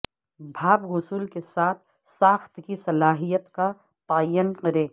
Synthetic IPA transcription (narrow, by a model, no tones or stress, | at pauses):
bʱaːbɣʊsuːlkesaːt̪ʰ | saːxt̪kisɐlaːɦijət̪ka | t̪aːjənqɐɾẽː